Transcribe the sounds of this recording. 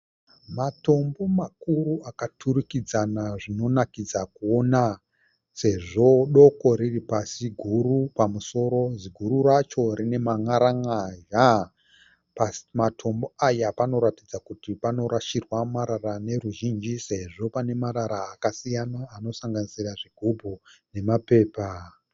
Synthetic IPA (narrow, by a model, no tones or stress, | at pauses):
mato̞mbo̞makuɾuʔakatʰuɾikid͡zanaʐino̞nakid͡zakuona | se̞ʐo̞ɗo̞ko̞ɾiripasiɡʱuɾupamuso̞ɾo̞ziɡʱuɾurat͡ʃo̞ɾine̞maŋaɾaŋaʒa | pamatʰo̞mbo̞ajapano̞ɾatid͡zakutipano̞ɾaʃirwamaɾarane̞ɾuʒind͡ʒise̞ʐo̞pane̞maɾaɾaːkasijanaːno̞saŋɡanisiraʐiɡʱubʱone̞mape̞ːpa